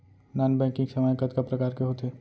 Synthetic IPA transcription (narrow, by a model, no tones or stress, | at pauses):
naːnbɛ̃ːkɪ̃ŋksɐmajkɐt̪kɐpɾɐkaːɾkeɦoːt̪eː